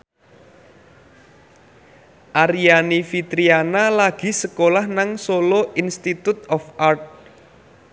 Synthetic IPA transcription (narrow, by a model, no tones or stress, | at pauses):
ʔaɾianifit̪ɾianalaɡ̥i̤səkolahnaŋsoloʔinst̪it̪ut̪ɔfart̪̚